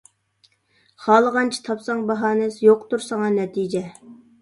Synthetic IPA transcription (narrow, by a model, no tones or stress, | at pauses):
χɑːlˠəʁɑnt͡ʃʰi̥t̪ʰɑpsɑŋbɑɦɑːnɪsɪjoqt̪uɾsɑŋɑnɛt̪ʰid͡ʒɛ